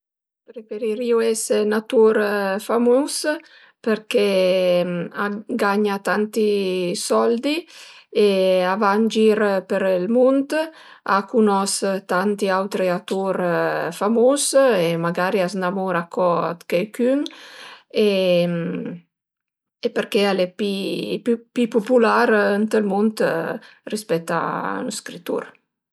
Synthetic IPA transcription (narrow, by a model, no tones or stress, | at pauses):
pɾefeɾiɾiuɛsenat̪uɾfamus | peɾkɛ | aɡaɲat̪ant̪isɔld̪ieavand͡ʒiɾpeɾlmunt̪ | a̰kunɔst̪ant̪iawt̪ɾiat̪uɾfamosemaɡaːɾiasnamuɾakʰːɔ̰d̪kejkyŋ | em | epeɾkealepipypipopulaɾənt̪əlmunt̪rispɛt̪ːa̰nskɾit̪ːṵɾ